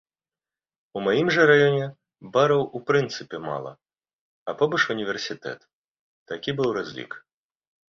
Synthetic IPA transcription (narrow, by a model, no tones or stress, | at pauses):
umajimʐɐɾajɔnʲɛ | baɾɐwupɾɨnt̪sɨpʲɛma̰lˠɐ̰ | ɐpɔbɐʂunʲivʲɛrsʲit̪ɛ̰t̪ː | akʲibɨwɾazʲlʲḭk